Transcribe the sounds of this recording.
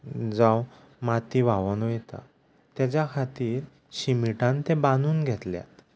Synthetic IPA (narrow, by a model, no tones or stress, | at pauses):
d͡zãw | mat̪iʋaʋɔnujɛt̪a̰ | t̪jat͡ɕjakʰat̪iːɾ | ɕimiʈãnt̪ẽbanuːnɡʱɛt̪lja̰t̪